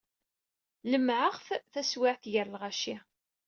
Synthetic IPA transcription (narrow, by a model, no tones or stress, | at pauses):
ləmʕəʁfθæswɪʕθjəɾlʁaʃi